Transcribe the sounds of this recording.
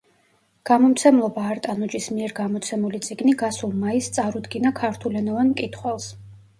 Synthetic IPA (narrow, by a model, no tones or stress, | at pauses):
ɡ̥amɔmt̪sʰɛmlˠɔbaːɾt̪ʼanɔd͡ʒismiɛɾɡamɔt̪sʰɛmulit̪sʼiɡniɡasulˠmaist̪sʼaɾud̪ɡinakʰaɾt̪ʰulɛnɔvanmkʼit̪ʰχwɛlˠs